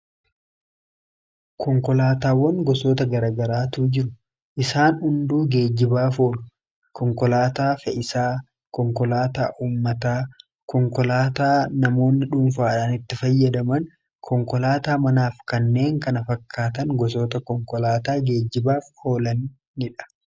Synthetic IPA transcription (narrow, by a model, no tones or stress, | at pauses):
kʰɔŋkɔlaːt̪aːwɔŋɡɔsoːt̪ɐɡɐɾaːɡɐɾaːt̪uːd͡ʒɪɾʊ | ʔɪsaːnhʊnd̪uːɡe̞ːd͡ʒːɪbaːfo̞ːlʊ | kɔŋkɔlaːt̪aːfɛʔɪsaː | kɔŋkɔlaːt̪a̰ːʔuːmːɐt̪aː | kɔŋkɔlaːt̪aːnɐmo̞ːnːɪᶑʊːmfaːᶑaːnɪt̪ːɪfɐjːɐd̪ɐmɐn | kʰɔŋkɔlaːt̪aːmɐnaːfkɐnːe̞ːŋkɐnɐfɐkʰːaːt̪ɐŋɡɔs̬o̞ːt̪ɐkɔŋkɔlaːt̪aːɡe̞ːd͡ʒːɪbaːfho̞ːlɐnː | ɪᶑɐ̥